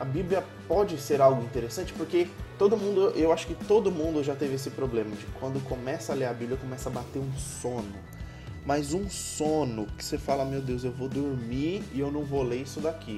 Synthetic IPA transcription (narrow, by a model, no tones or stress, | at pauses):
ɐbibliɐ | pɔd͡ʒɪseɾawɡʊĩnt̪eɾesɐ̃nt͡ʃɪ̥poɾket̪od̪ʊmũd̪ʊʔewaʃʊ̥kɪt̪od̪ʊmũnd̪ʊʒat̪evɪesɪpɾoblẽmɐd͡ʒɪkwɐ̃nd̪ʊkomɛsɐleɾabiblʲijɐkõmɛsɐabat̪eɾũsõnʊ | mɐzũsõnʊkɪ̥sefalɐmewd̪ewzewvod̪ʊɾmiɾɪewnɐ̃w̃voleisʊd̪akʰi